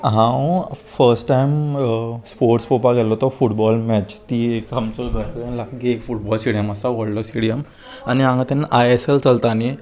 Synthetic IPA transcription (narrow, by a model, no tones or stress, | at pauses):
ɦãwfəɾsʈʈajmspoɾʈspopaɡɛlɔt̪ɔfuʈbɔlmɛt͡ɕt̪iːekamt͡sɔɡʱəɾpalakɡiekfuʈbɔlsiɽijəməsaʋɔɽlɔsiɽijəm | añiãŋɡat̪ɛnaʔajeselt͡səlt̪ane